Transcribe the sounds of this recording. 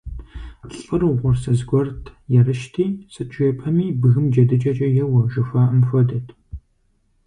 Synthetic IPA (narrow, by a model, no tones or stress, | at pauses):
ɬʼɨrɨʁʷɔrsɐzɡʷɔrtʰjɛrɨʃtʰiːsɨt͡ʃʼeːpʰɐmiːbɨɣɨmd͡ʒɐdɨt͡ʃʼɐt͡ʃʼɐjɛwɐʒʊfaːəmfɐdɐtʰ